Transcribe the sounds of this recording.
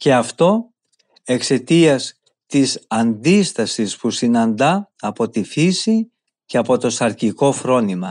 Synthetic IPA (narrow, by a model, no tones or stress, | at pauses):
ce̞ɐft̪o̞ | e̞kse̞t̪iɐs | t̪isɐnd̪ist̪ɐsispusinɐnd̪ɐː | po̞t̪ifisi | ce̞ɐpo̞t̪o̞sɐɾciko̞fɾo̞nimɐ